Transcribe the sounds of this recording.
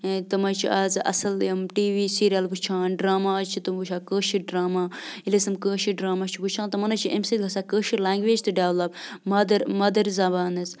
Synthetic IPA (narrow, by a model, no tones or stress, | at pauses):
t̪ɐmɐt͡ʃʰḭʔaːzʔɐ̰sɐlɐmʈiːʋiːsiːɾijɐlbut͡ʃʰaːnɖɾaːmaːt͡ʃʰit̪ɨmbut͡ʃʰaːkəːʃiɖɾaːmaːilɐsɨmkəːʃiɖɾaːmaːt͡ʃʰibut͡ʃʰãːnt̪ɐmɐnɐt͡ʃʰiʔemsit̪ɡʱɐsaːkəːʃilãːŋɡʋeːd͡ʒt̪ɨɖeʋlɐbmɐd̪ɐɾmɐd̪ɐɾzɐbaːnɨz